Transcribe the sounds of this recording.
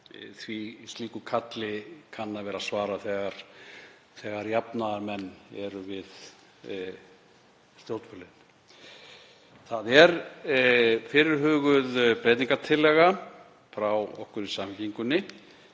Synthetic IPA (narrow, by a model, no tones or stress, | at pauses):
θvist̪liːkʏkʰat̪lɪkʰanːavɛːɾasvaːɾaθɛɣaɾ̥ | θɛːɣaɾjapnaðaɾmɛnːɛɾʏvɪð | st̪ljowt̪fœlɪn | θaðɛɾ | fɪɾɪɾ̥ɦʏːɣʏðpɾejt̪niŋkat̪ʰɪlːɛːɣa | fɾawɔ̰hkʏɾisamhciŋkʏnːɪ